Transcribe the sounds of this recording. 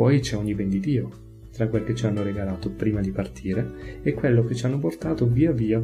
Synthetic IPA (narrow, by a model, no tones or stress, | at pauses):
ɔjt͡ʃɛɔɲːibɛnd̪id̪iːo | t̪ɾakːweloket͡ʃːianːoɾeɡalaːt̪opɾiːmad̪ipart̪ʰiːɾeɛkːwelːok̟et͡ʃːanːoport̪aːt̪oviːaviːa